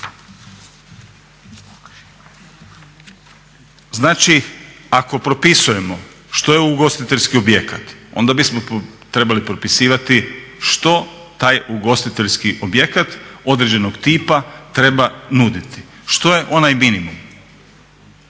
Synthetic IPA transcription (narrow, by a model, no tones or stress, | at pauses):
znaːt͡ʃiako̞pɾo̞pisuje̞mo̞ | ʃt̪o̞jeuɡost̪it̪e̞ʎʲskio̞bje̞kat̪o̞̰nd̪abismo̞t̪ɾe̞balipɾo̞pisiːʋat̪iʃt̪o̞t̪aːjuɡo̞st̪it̪e̞ʎskiʔo̞bjekat̪o̞d̪ɾed͡ʑe̞no̞ɡt̪iːpat̪ɾe̞banud̪it̪ʰi̥ | ʃt̪o̞je̞ʔo̞najminimum